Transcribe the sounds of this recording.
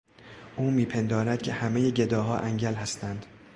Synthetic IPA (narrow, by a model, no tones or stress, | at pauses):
ʔuːmiːpʰe̞nd̪ɒːɾæd̪̚cʲʰe̞hæmejeɟe̞d̪ɒːɦɒːʔæŋɟælɦæst̪ænd̪̥